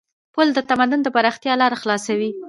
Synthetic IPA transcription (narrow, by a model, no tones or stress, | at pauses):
pəld̪ət̪amad̪ʊnd̪əpaɾɑxt̪jɑlɑɾaxlɑsawi